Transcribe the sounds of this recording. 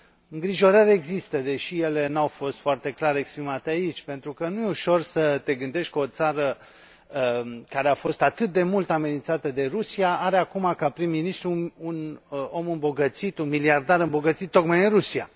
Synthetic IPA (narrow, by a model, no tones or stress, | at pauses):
ɨŋɡɾiʒo̞ɾəɾʲeɡzist̪əd̪e̞ʃije̞le̞nawfo̞st̪foart̪e̞klaɾe̞kspɾimat̪eait͡ʃʲpe̞nt̪ɾukənujeuʃo̞rsət̪e̞ɡɨnd̪e̞ʃt̪̚ʲkəo̞t̪saɾə | əkaɾe̞afo̞st̪at̪ɨt̪̚d̪e̞mult̪ame̞nint̪sat̪e̞d̪e̞rusiaaɾeakumakapɾimːinist̪ɾuːno̞mɨmbo̞ɡət̪sit̪unmiliard̪aɾɨmbo̞ɡət̪sit̪ːo̞kmajɨnrusia̰